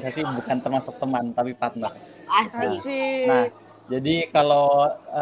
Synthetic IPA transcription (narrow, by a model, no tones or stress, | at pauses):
sasibukant̪ərmasʊk̚t̪əmant̪apipat̪̚naasinah | d͡ʒadikaloə